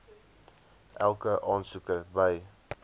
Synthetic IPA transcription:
ʔælˠkəʔɑːnsukəbəj

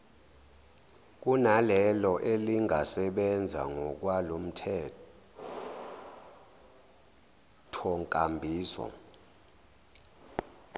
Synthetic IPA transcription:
k̬ʼunalɛlɔʔeliŋʱasɛɓɛnd͡zʱa̰ŋɔk̬walom̩tʰɛ | tʰɔŋkʼambʱiːsɔ̰

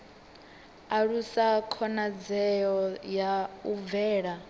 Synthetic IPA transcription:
aɺusakʰɔnad͡zɛjɔjaub̪vɛːɺa

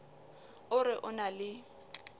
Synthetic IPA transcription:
ʊɾɪʔʊnalɪ

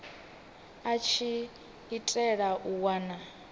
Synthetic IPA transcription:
at͡ʃʰi | itʼɛɺaʔuwaːna

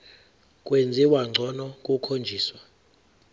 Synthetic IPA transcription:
kʼwend͡zʱiwaŋ͡ǀʱɔnɔkʼukʰond͡ʒʱiːswa

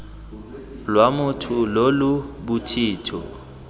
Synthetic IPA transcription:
lwamʊtʰʊlolʊbʊtʰiːtʰɔ̰

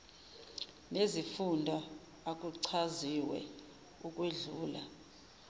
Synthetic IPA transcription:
nezifundʱɔ | ak̬ʼuǀʰaziwɛ̰ | uk̬ʼweɮuːla

